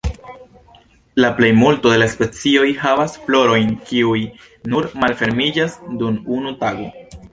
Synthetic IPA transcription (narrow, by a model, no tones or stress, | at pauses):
laple̞jmulto̞de̞laspe̞t͡sio̞jhavasflo̞ɾo̞jnkiuj | nuɾmalfe̞ɾmid͡ʒasdununutaɡo̞